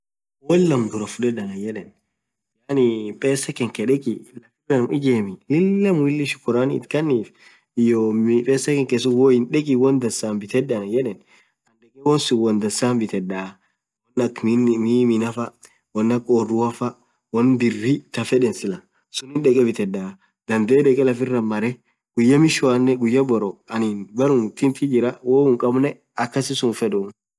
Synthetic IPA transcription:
wɔlːɐmd̪ʊɾɐfʊdɛᶑɐnɐjɛᶑɛn | janɪpʼeːsɐkɛŋkɛᶑɛkʼɪlɐkɪbɛnmɪd͡ʒeːmɪlɪlːɐmwɪlːɪʃɪ̥kːʊɾanɪ̰ːt̪kɐnːiːf | ɪjopʼeːsɐkɛŋkesʊwɔhɪnᶑɛkʼɪwɔnd̪ɐsaːmbɪt̪ɛdɐnɐjɛᶑɛn | ɐnɗɛkʼɛwɔnsʊwɔnd̪ɐsaːmbɪt̪ɛdaː | wɐnːɐkmimɪnɐfɐ | wɐnːɐkʼoːrʊɐfɐ | wɔnb̪ɪrːɪt̪ɐfɛᶑɛnsɪlɐ | sʊnɪnᶑɛkʼɛbɪt̪ɛᶑːaː | d̪ɐnd̪eːdɛkʼɛlɐfɪrːɐmɐɾɛ | ɡ̥ʊjːɐmɪʃʊanːɛɡʊjːɐbɔɾɔɐnɪnbɐɾʊnt̪ɪnt̪ɪd͡ʒɪɾɐwoːʊŋkʼɐbnɛ | ɐkːɐsɪsʊnfɛᶑʊn

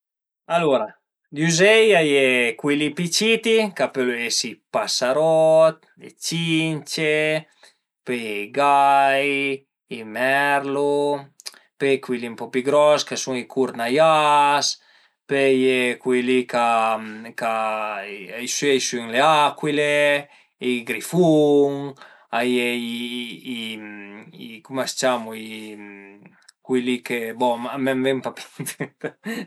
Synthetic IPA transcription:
aloɾa | d̪uzɛjajekwilipit͡ʃit̪ikapeluesipasaɾɔt̪̚ | ḛt͡ʃint͡ʃe | peɡaj | imɛɾlu | pekwilimpɔpiɡɾɔskasuŋikʰuɾnajas | pejekwilikaka | jsyejsyŋleakwile | iɡɾifuŋ | ajeiimikumast͡ʃamui | kwilikebɔamɛmvɛmpapi̥t̪

